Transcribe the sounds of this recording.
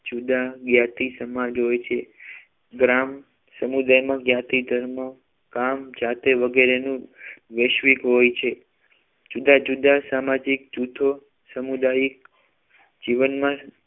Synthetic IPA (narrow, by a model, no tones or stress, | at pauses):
d͡ʒud̪aɡjat̪isəmad͡ʒɦojt͡ʃʰe | ɡɾam | səmud̪ajmãɡjat̪id̪ʱəɾmə | kamd͡ʒat̪eʋəɡeɾenũʋeʃʋikɦojt͡ʃʰe | d͡ʒud̪ad͡ʒud̪asamad͡ʒik̚d͡ʒut̪ʰo | səmud̪aik̚ | d͡ʒiʋənmã